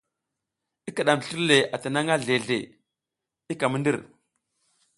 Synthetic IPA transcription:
i˦ka˨ɗa˨m˨ɬi˦ɾle˨a˨ta˨na˦ŋa˦ɮe˨ɮḛ˨ | i˦ka˨mə˦ndi˦ɾ

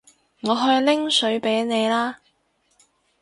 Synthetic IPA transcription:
ŋɔː˨˧ɦɵ˧ɥlɪ˥ŋsɵ˨˥ɥpe˨˥jne˨˧jlaː˥

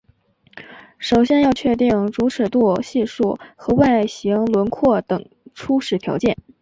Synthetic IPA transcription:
ʂo˨˩ʊɕjɛ˥njɑ˥˧ʊt͡ɕʰɥɛ˥˧t̪i˥˩ŋʈ͡ʂu˧˥ʂə˨˩t̪wɔ˥˧ɕi˥˧ʂu˥˩xɤ˧˥wa˥˧ɪa˥˩ɪɕi˧˥ŋlwə˧˥nkʰwɔ˥˩t̪ɤ˨˩ŋ | ʈ͡ʂʰu˥ʂɻ̩˨˧˩t̪ʰjɑ˧˥ʊt͡ɕjɛ˥˩n

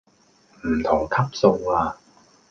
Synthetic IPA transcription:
m̩˨˩t̪ʰʊ˨˩ŋkʰɐ˥p̚so˧waː˧

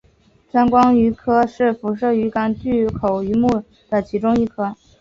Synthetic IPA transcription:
t͡sa˥nkwɑ˥ŋy˧˥kʰɤ˥ʂɻ̩˥˩fu˧˥ʂɤ˥˩y˧˥ka˧˥nt͡ɕy˥˩kʰo˨˩ʊy˧˥mu˥˩ | d̪̥ə˩t͡ɕʰi˧˥ʈ͡ʂʊ˥ŋi˥˩kʰɤ˥

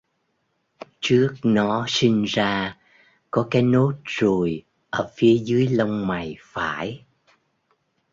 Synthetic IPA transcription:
t͡ɕɨ˦˥ək̚nɔ˨˦si˧ŋ̟zaː˧ | kɔ˨˦kaː˨˦jno˦˥t̚zo˨˩j | ʔəː˧˩fi˨˦əzɨ˨˦əjlə˧wŋ͡mma˨˩jfa̰ː˧˩˨j

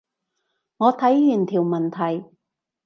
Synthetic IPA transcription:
ŋɔː˨˧t̪ʰɐ˨˥jjyː˨˩nt̪ʰiː˨˩wmɐ˨˩nt̪ʰɐ˨˩j

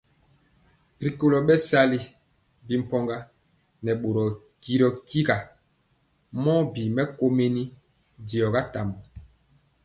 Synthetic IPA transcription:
ɾi˨ko˨lɔ˨ɓɛ˦sa˦li˦ | bi˨m̩˨pɔ˦ŋɡa˦ | nɛ˨ɓo˨ɾɔ˨ | ki˦ɾɔ˨ki˦ɡa˨ | mɔ˦bi˨mɛ˦ko˦me˦ni˦ | di˨ɔ˨ɡa˦ta˨mbu˨

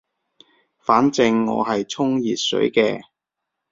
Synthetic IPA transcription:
faː˨˥nt͡sɪ˧ŋːɔ̰ː˨˧ɦɐ˨jt͡sʰʊ˥ŋjiː˨t̚sɵ̰˨˥jkɛː˧

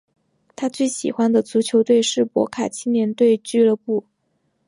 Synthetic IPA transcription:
t̪ʰa˥t͡swe˥˩ɪɕi˨˩xwa˥nd̪ə˨t͡su˧˥t͡ɕʰjo˧˥ʊt̪we˥˧ɪʂɻ̩˥˩pwɔ̰˧˥kʰa˨˩t͡ɕʰi˥nnjɛ˧˥nt̪we˥˧ɪt͡ɕy˥lɤ˥˧pu˥˩

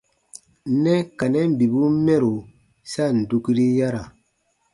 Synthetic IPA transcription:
nɛ˦ka˨nɛ̃˦m˦bi˨bu˦mɛ˦ɾo˨ | sa˦˨n̩˨du˦ki˦ɾi˦ja˦ɾa˨

